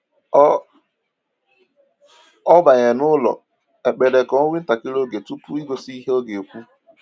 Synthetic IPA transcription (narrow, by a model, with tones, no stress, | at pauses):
ɔ˦ba˨ɲe˨nʊ˦lɔ̰˨ | e˨k͡pe˨de˨kɔ˨o˦wi˦n̩˦ta˨kɪ˦ɾo˦ɡe˨tu˦pu˦i˦ɡo˨si˦i˦ɦe˦o˦ɡe˨o˨kʷu˦